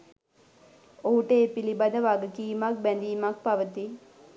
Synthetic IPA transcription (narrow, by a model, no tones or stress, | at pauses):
oɦuʈəepilibad̪əʋaɡəkiːmak̚bænd̪iːmak̚paʋət̪i